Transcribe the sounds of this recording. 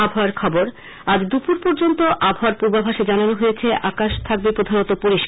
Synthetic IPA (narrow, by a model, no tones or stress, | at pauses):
abʱaaɾkʰɔboɾ | ad͡ʑd̪upuɾpoɾd͡ʑont̪oʔabʱaaɾpuɾbabʱaʃed͡ʑananoɦojet͡ɕʰeʔakaʃt̪ʰak̚bepɾod̪ʱanot̪opuɾiʃk